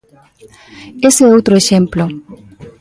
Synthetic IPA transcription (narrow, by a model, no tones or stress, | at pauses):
eseowt̪ɾoeʃẽmplo